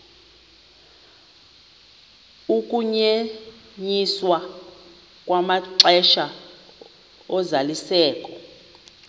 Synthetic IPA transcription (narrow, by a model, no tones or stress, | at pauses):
ukʼuɲe | ɲiswa | kʼwamaǀɛʃa | ɔzalisɛːkʼɔ̥